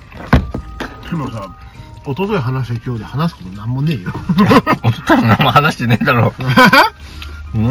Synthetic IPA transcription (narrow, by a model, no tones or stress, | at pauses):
kenosã | ot̪ot̪oiɦanaɕ̬iekʲo̞ːd̪ehanasɨ̥kot̪onãmːone̞ːjoot̪ot̪oinãmːohanaɕi̥t̪ened̪aɾoː